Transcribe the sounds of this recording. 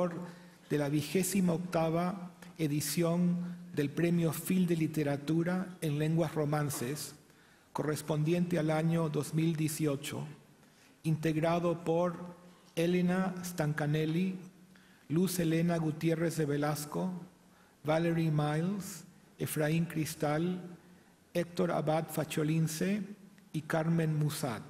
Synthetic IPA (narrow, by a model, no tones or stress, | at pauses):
oɾ | ðelaβixesimaokt̪aβaeðisjo̞nd̪e̞lpɾemjofild̪elit̪eɾat̪uɾaenle̞ŋɡwasro̞mãnses | korespo̞nd̪je̞nt̪ealaɲoðozmild̪jesiot͡ʃo̰ | int̪eɣɾaðopoɾ | elenast̪aŋkaneli | luselenaɣut̪jerezðeβelasko | βaleɾimajls | efɾaiŋkɾist̪al | ek̚t̪oɾa̰βat̪fat͡ʃolinseikaɾmẽnmusat̪